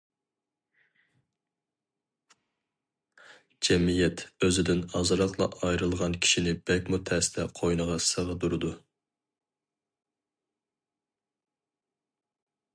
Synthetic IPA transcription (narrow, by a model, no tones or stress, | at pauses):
d͡ʒɛmijɛt̪øzɪd̪ɪnɑzɨɾɑqlˠɑ̰ʔɑjɾɨlˠʁɑnkʲʰi̥ʃinɪb̥ɛk̚ʲmut̪ʰɛst̪ʰɛqʰojnəʁɑsəʁəd̪uɾɨd̪u